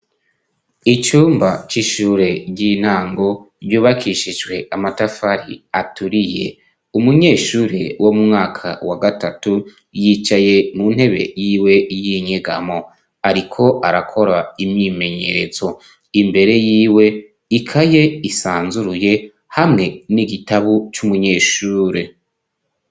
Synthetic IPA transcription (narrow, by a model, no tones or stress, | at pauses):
it͡ʃuːmbat͡ʃiʃuːɾeɟin̥haːŋɡo̞ | ɾɟuːβakʰiʃiʒwe̞ʔamatafaɾḭatuɾije̞̰ | umuɲe̞ːʃuːɾewʔo̞mumŋaːkʰa̰waɡatatu | jit͡ʃaje̞munhe̞βe̞̰jiːwe̞jiɲeɡamo̞ | aɾikʰo̞ʔaɾakʰo̞ɾaimɲime̞ɲe̞ɾe̞zo̞ | imbe̞ɾe̞jiːwe̞ | ikʰaje̞isaːnzuɾuje̞ | hamŋe̞niɡitaβut͡ʃumuɲe̞ːʃuːɾe